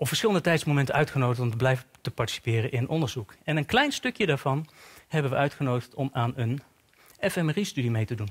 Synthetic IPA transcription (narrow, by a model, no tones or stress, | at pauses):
ɔpfəɹsχɪlˠəndətɛjtsmowmɛntənœɥtχənowdəχtɔmtəblɛjvətəpɑɹti̥si̥pɪːrənʔɪnnʔɔndəɹzukɛnənklɛjnstɵkjədaːɹv̥ɑnɦɛbənʋəʔœɥtχənowdəχtɔmaːnən | ɛfɛmristydimejtədun